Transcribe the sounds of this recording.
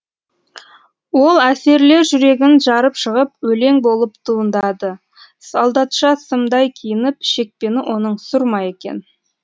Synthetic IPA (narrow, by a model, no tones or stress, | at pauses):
wo̞lˠæse̞ɾle̞ɾʒʏɾe̞ɡʲɪnʒɑɾəpʃəʁəpwɵle̞ŋbo̞lˠəpt̪ʰuənd̪ɑd̪ə | sɑlˠd̪ɑt̪ʃɑsəmd̪ɑjkʲʰijɪnɪpʃe̞k̚pe̞nɪʔo̞nəɴsʊɾmɑje̞kʲḛn